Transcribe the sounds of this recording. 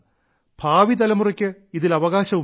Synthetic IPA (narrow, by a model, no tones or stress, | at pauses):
b̥ʱaːʋit̪ɐlɐmurɐkʲːɨiðilɐʋɐɣaːɕɐʋu